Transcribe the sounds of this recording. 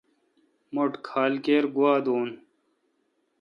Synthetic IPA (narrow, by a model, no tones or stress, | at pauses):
moʈkʰaːlkeːɾɡuwaːd̪oːn